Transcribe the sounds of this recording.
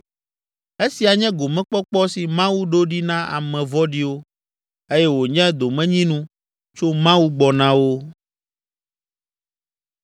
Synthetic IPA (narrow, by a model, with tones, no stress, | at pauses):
e˦si˨a˨ɲɛ̃˦ɡo˨mɛ̃˦k͡pɔ˦k͡pɔ˦si˨mã˦wu˦ɖo˦ɖi˦nã˦a̰˨mɛ̃˨vɔ˦ɖi˦wo˦ | e˦jɛ˦wo˨ɲɛ̃˦d̪o˨mɛ̃˦ɲĩ˦nũ˦ | t͡ʃo˦mã˦wu˦ɡ͡bɔ˨nã˦wo˦